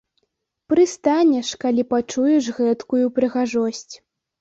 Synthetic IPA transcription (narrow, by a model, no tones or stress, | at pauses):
pɾɨst̪anʲɛʂkalʲipat͡ʂujɛʂɣɛt̪kujupɾɨɣaʐɔsʲt͡sʲ